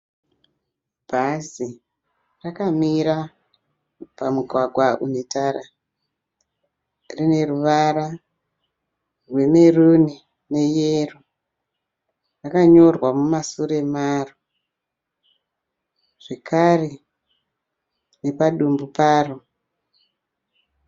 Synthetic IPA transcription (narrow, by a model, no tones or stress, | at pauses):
bʱazi | rakamiɾa | pamuɡʱwaɡʱwaʔunetaɾa | rine̞ruʋaɾa | rwe̞me̞runi | ne̞jeru | rakaɲo̞rwamumasuɾe̞maːro | ʐ̥e̞kʰare̞ | nepaɗumbupaːro